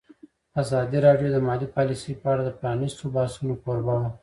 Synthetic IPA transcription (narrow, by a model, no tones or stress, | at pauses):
azɑd̪iɾɑɖjod̪əmɑlipɑlisəjpəaɽad̪əpɾɑnɪst̪obɑsunokoɾbawa